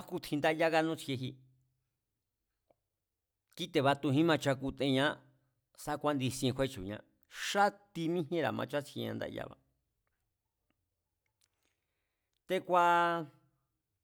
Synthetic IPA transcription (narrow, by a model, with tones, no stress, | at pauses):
ku˦t̪ʰĩ˧nd̪a˦ja˦ɣa˦˧nũ˦t͡se˧ɦi˧ | ki˦t̪e˧βa˧t̪u˧ɦĩ˦mã˧t͡ʃa˧ku˧t̪ḛ̃˧ɲã˦ | sa˦˧kʷa˦nd̪i˧skʷe˦t͡ʃṵ˨ɲã̰˧ | ʂa˦t̪i˧mĩ˦ɦẽ˦ɾa̰˨mã̰˧t͡ʃa˦t͡sʰi˧ɲã̰˧nd̪a̰˧ʔja̰˦βa̰˨ | t̪e˧kʷa˦